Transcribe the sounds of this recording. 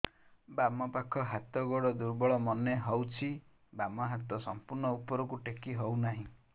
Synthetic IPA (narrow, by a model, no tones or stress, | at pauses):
bamɔpakʰɔɦat̪ɔɡɔɽɔd̪uɾbɔɭɔmɔneɦɔwt͡ʃʰi | bamɔɦat̪ɔsɔmpuɾnɔupɔɾɔkuʈekiɦownaɦĩ